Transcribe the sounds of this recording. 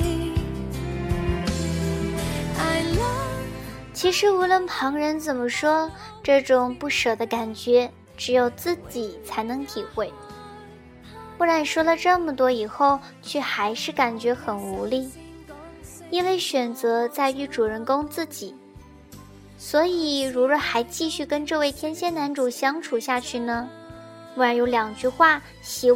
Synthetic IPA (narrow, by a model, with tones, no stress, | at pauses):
a˥˩ɪl | t͡ɕʰi˧˥ʂɻ̩˧˥u˧˥lwə˥˩npʰɑ˧˥ŋɻə˧˥nt͡sə˨˩nmə˦ʂwɔ˥ | ʈ͡ʂɤ˥˩ʈ͡ʂʊ˨˩ŋpu˥˩ʂɤ˨˩d̪ə˦ka˨˩nt͡ɕɥɛ˧˥ | ʈ͡ʂɻ̩˧˥jo˨˩ʊt͡sɹ̩˥˩t͡ɕi˨˩t͡sʰa˧˥ɪnɤ˧˥ŋt̪ʰi˨˩xwe˥˩ɪ | pu˥˩ɻa˧˥nʂwɔ˥lə˨ʈ͡ʂɤ˥˩mə˨˩t̪wɔ˥i˨˩xo˥˩ʊ | t͡ɕʰɛ˥˧xa˧˥ɪʂɻ̩˥˩ka˨˩nt͡ɕɥɛ˧˥xə˨˩nu˧˥li˥˩ | i˥nwe˥˩ɪɕɥɛ˨˩nt͡sɤ˧˥t͡sa˥˧ɪy˥˩ʈ͡ʂu˨˩ɻə˧˥nkʊ˥ŋt͡sɹ̩˥˩t͡ɕi˨˩˦ | swɔ˧˥i˨˩ɻu˧˥ɻə˨˩xa˧˥ɪt͡ɕi˥˧ɕy˥˩kə˥nʈ͡ʂɤ˥˧we˥˩ɪt̪ʰjɛ˥nɕjɛ˥˩na˧˥nʈ͡ʂu˨˩ɕjɑ˥ŋʈ͡ʂʰu˨˩ɕja˥˧t͡ɕʰy˥˩nə˩ | u˧˩ə˧˥jo˧˥ʊljɑ˨˩ŋt͡ɕy˥˧xwa˥˩ | ɕi˧˥